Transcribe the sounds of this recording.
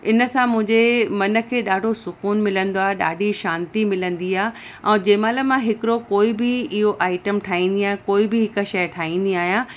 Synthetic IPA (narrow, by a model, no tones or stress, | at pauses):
ɪnə̆sãmʊ̃ɦɪ̃ɲd͡ʑemɐnə̆kʰeːɗaːɖʱosʊkuːnmɪlə̃nd̪oaːɦeɗa̰ːɖʱiʃãːnt̪imɪlə̃nd̪iaːɦ | ɛ̃ːd͡ʑɐ̃ːmãləmãɦɪkɪɾokoːibɪɪɦoʔaːɪʈəmʈʰaːɦĩːn̆d̪iaːɦjãkoːibɪɦɪkə̆ʃɐjʈʰaːĩːn̆d̪iaːɦjã